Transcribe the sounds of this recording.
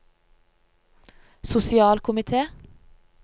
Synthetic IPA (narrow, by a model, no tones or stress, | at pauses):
sʊsɪɑːlkʰʊmɪt̪ʰeː